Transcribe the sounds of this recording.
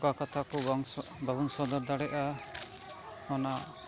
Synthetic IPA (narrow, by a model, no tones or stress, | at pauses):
kakɔt̪ʰakɔbaɡuŋsɔd̪ɔɾd̪aɽɛʔa | ɔna